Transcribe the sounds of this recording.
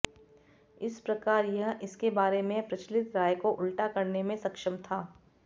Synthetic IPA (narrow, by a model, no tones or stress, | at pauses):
ɪspɾɐkaːɾjɐɦʔɪskebaːɾemẽpɾɐt͡ʃlɪt̪ɾaːjkoʔʊlʈakɐɾnemẽsɐkʃəmt̪ʰaː